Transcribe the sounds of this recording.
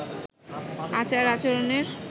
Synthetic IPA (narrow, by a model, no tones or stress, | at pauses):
at͡ɕaɾat͡ɕoɾoneɾ